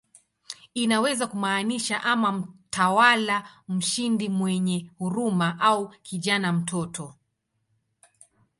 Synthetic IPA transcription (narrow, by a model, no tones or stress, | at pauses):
inawɛzakumaːniʃaʔamam̩tʰawalam̩ʃindimwɛɲɛhuɾumaʔaukiʄanam̩tɔtɔ